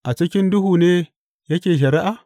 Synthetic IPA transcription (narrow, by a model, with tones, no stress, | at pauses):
ʔa˨t͡ʃɪ˦kʲɪ˦ndʊ˦ɦuː˨neː˦ | jɐ˦kʲeː˨ʃ̬ɐ˨ɾɪ˦ʔa˨